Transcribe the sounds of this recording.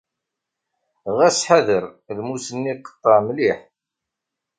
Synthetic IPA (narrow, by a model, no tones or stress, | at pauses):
ʁæsħaðəɾ | ðmusənːiqə̥t̪ˤːəɾmliħ